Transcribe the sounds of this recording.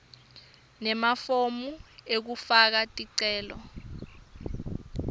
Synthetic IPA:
nɛmafomuek̬ufak̬atʼiǀɛːlɔ̰

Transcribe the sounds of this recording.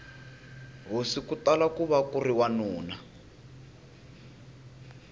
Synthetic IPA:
ɦosikutalakuβakuriwanuːna

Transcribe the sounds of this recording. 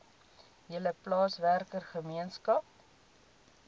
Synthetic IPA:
jələplɑːsværkərχəmiənskɐp̚

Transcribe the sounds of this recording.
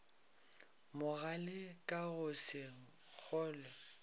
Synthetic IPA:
mʊɣalɪkʼaɣʊsɪ | k͡xʰɔːlɛ

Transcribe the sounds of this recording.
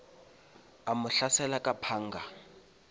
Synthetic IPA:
amʊɬasɛlakʼapʰaːŋ̩ːɡa

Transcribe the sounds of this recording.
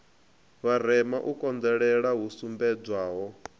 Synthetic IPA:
βaɾ̤ɛmaʔukʼɔnd͡zɛɺɛɺaɦusumbɛd͡zwaːɦɔ

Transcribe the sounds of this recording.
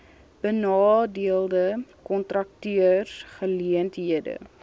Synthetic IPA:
b̥ənɑːdiəlˠdəkɔntrɐk̚tyərχəliəntɦiədə̰

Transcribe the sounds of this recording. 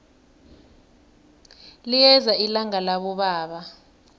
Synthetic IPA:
lijɛzailaŋalaɓɔɓaːɓa

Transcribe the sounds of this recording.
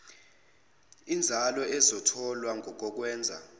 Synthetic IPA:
ind͡zʱalɔɛzɔtʰɔlwaŋʱɔk̬ɔk̬wɛːnd͡zʱa̰

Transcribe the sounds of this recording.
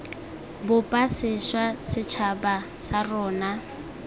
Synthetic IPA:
bʊpʼasɪswasɪt͡ʃʰabasarɔːna

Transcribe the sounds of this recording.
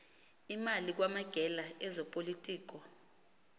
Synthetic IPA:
imalik̬wamaɡ̥ʱɛlaɛzɔpʼolitʼiːk̬ɔ

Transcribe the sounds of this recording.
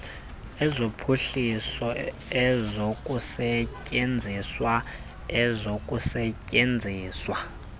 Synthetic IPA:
ɛzopʰuɬisɔ | ɛzokʼusɛcʼend͡zʱiswa | ɛzokʼusɛcʼend͡zʱiːswa

